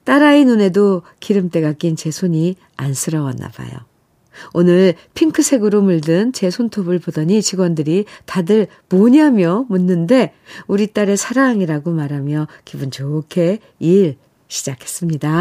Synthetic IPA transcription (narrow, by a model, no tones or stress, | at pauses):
t͈aɾainune̞dokiɾɯmt͈e̞ɡak͈int͡ɕe̞sʰoɲi | a̰nsʰɯɾʌwʌnːa̰ba̰jo̰ | onɯɭ | pʰiŋkʰɯsʰe̞ɡɯɾomuɭdɯnt͡ɕe̞sʰontʰobɯɭpodʌɲit͡ɕiɡwʌndɯɾitadɯɭ | moɲiɦamjʌmunːɯnde̞ | uɾit͈aɾe̞sʰaɾaŋiɾaɡomaɾɦamjʌkibunt͡ɕokʰe̞ | iɭ | ɕʰid͡ʑakʰe̞s͈ɯmɲida